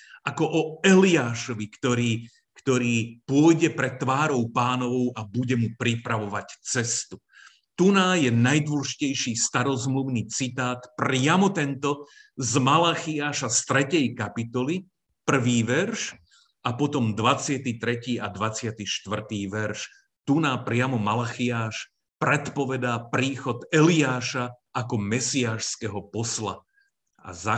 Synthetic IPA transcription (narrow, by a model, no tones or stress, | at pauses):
ʔakɔʔɔɛliaːʃɔʋikt̪ɔɾiː | kt̪ɔɾiːpʊɔjɟɛpɾɛt̪ːʋaːɾɔʊpaːnɔʋɔʊʔabuɟɛmupɾipɾaʋɔʋact͡sɛst̪u | t̪unaːjɛnajd̪wɔlʒicɛjʃiːst̪aɾɔzmluʊniːt͡sit̪aːt̪pɾɪamɔt̪ɛnt̪ɔzmalaːxiaːʃast̪ɾɛcɛjkapit̪ɔli | pr̩ʋiːʋɛɾʃ | ʔapɔt̪ɔmd̪ʋat͡sɪat̪iːt̪ɾɛciːad̪ʋat͡sɪat̪iːʃt̪ʋr̩t̪iːʋɛɾʃ | t̪unaːpɾɪamɔmalaxiaːʃ | pɾɛt̪pɔʋɛd̪aːpɾiːxɔt̪ɛliaːʃa | akɔmɛsiaːʃskɛɦɔpɔsla̰ | a̰za